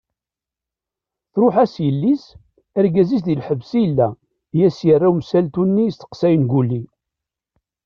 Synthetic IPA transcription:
θɾʊħæsjəlːis | æɾɡæzisðilħəvsilːæ | jæsjərˤːawmsælt̪unːist̪ə̥qsæjənɡulːi

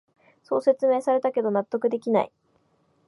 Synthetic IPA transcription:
so̞ːse̞t͡sɨmeːsaɾe̞t̪ake̞d̪o̞nat̪ːo̞kɯ̟d̪e̞kʲina̰ḭ

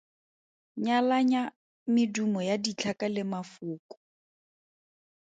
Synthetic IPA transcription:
ɲalaɲa | mɪdumɔjadit͡ɬʰakalɪmafʊːkɔ̥

